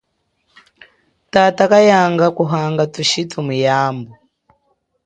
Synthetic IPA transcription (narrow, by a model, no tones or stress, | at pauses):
tatakajaŋɡakuɦaŋɡatuʃitʰumujaːmbɔ